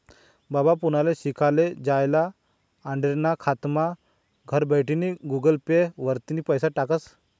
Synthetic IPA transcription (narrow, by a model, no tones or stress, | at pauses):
babapunaleɕikʰaled͡ʑajlaː | ɳɖeɾnakʰat̪ma | ɡʱəɾbəjʈiniɡuɡəlpeʋəɾt̪inipəjsaʈakəs